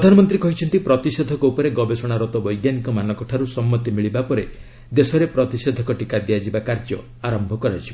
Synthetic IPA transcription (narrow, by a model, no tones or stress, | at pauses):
pɾd̪ʱanɔmɔnt̪ɾikɔɦit͡ʃʰɔnt̪ipɾɔt̪ised̪ʱɔkɔupɔɾeɡɔbesɔɽ̃aɾɔt̪ɔbɔjɡjanikɔmanɔkɔʈʰaɾusɔmːɔt̪imiɭibapɔɾe | d̪esɔɾepɾɔt̪ised̪ʱɔkɔʈikad̪ijad͡ʒibakaɾd͡ʒɔ̰ | aɾɔmbʱɔkɔɾat͡ʃʰi